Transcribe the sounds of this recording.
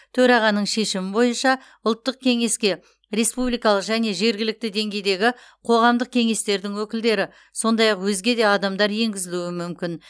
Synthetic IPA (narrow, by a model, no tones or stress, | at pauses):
t̪ʰɵɾɑʁɑnːəɴʃe̞ʃɪmɪbo̞jənʃɑ | ʊlˠt̪ːəq̚kʲʰe̞ŋe̞skʲe̞ | ɾe̞spublˠijkɑlˠəqʒæne̞ʒe̞ɾɡʲɪlɪk̚t̪ɪd̪e̞ŋɡʲe̞jd̪e̞ɡʲɪ | qʰo̞ʁɑmd̪əq̚kʲʰe̞ŋe̞st̪e̞ɾd̪ɪŋwɵkʲɪld̪e̞ɾɪ | so̞nd̪ɑjɑqwɵzɡʲe̞d̪e̞ɑd̪ɑmd̪ɑɾje̞ŋɡʲɪzɪluwɪmʏmkʲɪn